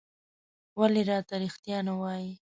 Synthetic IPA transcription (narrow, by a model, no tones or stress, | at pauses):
waleɾɑt̪aɾixt̪jɑnawɑji